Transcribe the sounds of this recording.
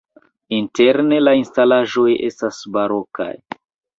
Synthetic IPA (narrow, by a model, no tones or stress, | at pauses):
inte̞ɾne̞lainstalaʒo̞je̞̰stasbaɾo̞ka̰j